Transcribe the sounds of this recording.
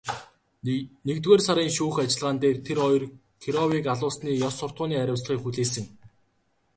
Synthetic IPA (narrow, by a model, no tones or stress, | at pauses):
nekt̪ɣeːrsaɾiːŋʃuːxat͡ɕɪ̆ɮʁaːnt̪eːrt̪ʰeɾɔjr | kʰiɾɔwiːkaɮʊːsniːjɔsːʊr̥t̪̚ʊːniːæɾʲʊ̆wsɮʁiːkxuɮeːsɘ̆ŋ